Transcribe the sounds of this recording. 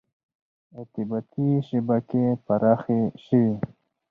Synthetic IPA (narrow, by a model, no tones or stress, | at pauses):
at̪ibat̪iʃibakepaɾɑːxeʃəwi